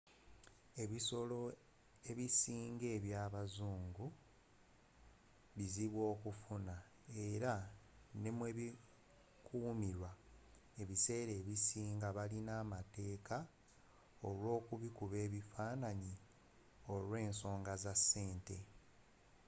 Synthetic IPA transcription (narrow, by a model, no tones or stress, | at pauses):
e̞βiso̞lo̞ | e̞βisiːŋɡe̞ːβjaːβazuːŋɡu | βiziβwo̞ːkufuna | e̞ɾa | ne̞mwe̞βi | kuːmiɾwa | e̞βise̞ːɾe̞ːβisiːŋɡaβalinaːmate̞ːka | o̞lwo̞ːkuβikuβe̞ːβifaːnaɲi | o̞lwe̞ːnso̞ːŋɡazasːe̞ːnte̞